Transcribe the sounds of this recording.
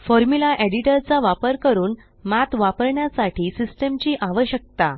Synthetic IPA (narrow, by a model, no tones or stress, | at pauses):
fɔɾmulaʔeɽiʈəɾt͡saʋapəɾkəɾuːn | mat̪ʋapəɾɳjasaʈʰiːsisʈəmt͡ɕiːʔaʋəɕjək̚t̪a